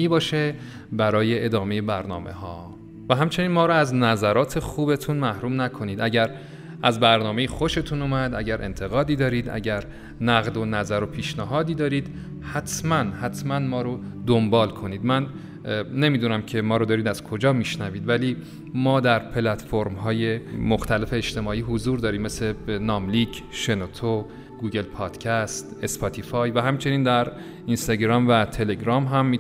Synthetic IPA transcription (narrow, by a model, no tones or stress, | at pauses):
iːbɒːʃe | bæɾɒːje̞ʔed̪ɒːme̞jebæɾnɒ̰ːmḛhɒː | væɦæmt͡ʃʰe̞niːnmɒːɾoæznæzæɾɒːt̪ʰe̞xuːbe̞t̪ʰuːnmæhɾuːmnækʰo̞niːd̪æɟæɾ | æzbæɾnɒːme̞jixo̞ʃe̞t̪ʰunumæd̪æɟæɾʔe̞̰nt̪ʰe̞ɣɒːd̪iːd̪ɒːɾiːd̪æ̰ɟæɾ | næɣd̪o̞næzæɾo̞pʰiːʃnæɦɒːd̪iːd̪ɒːɾiːd̪̥ | hæt̪ʰmænhæt̪ʰmænmɒːɾod̪ombɒːlkʰo̞niːd̪mænː | e̞miːd̪uːnæmcʰe̞mɒːɾod̪ɒːɾiːd̪æz̥kʰo̞d͡ʒɒːmiʃnæviːd̪væliː | mɒːd̪æɾpʰelæt̪foɾmɦɒːje̞moxt̪ʰæle̞fe̞ːt͡ʃt̪e̞mɒːiːɦozuːɾd̪ɒːɾiːmːeslenɒːmliːɟʃe̞not̪ʰo | ɡ̥uːɟe̞lpʰɒːd̪̥cʰæst̪e̞spʰɒːt̪ʰifɒːjvæɦæmt͡ʃʰe̞niːnd̪æɾ | inst̪ɒɟɾɒːmvæt̪ʰe̞le̞ɟɾɒːmɦæmːi